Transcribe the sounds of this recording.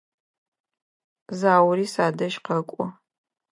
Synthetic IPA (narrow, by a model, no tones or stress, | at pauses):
zaːwɾiːsaːdɐʃqɐkʷʼɔ